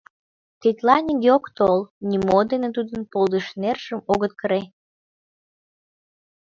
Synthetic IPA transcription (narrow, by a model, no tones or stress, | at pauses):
t̪it̪lɑnʲiɡeokt̪olnʲimod̪enet̪̬ud̪ənpolˠd̪əʃnerʃəmoɣət̪kəɾe